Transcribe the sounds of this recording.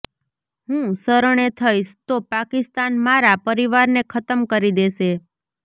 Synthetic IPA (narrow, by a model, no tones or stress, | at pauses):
ɦũsəɾəɳ̃et̪ʰəiʃt̪opakɪst̪anmaɾapəɾiʋaɾnekʰət̪əmkəɾid̪eʃe